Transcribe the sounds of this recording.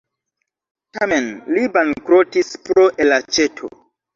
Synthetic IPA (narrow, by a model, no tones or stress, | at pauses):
tamenlibankɾotispɾoʔelat͡ʃetʰo̰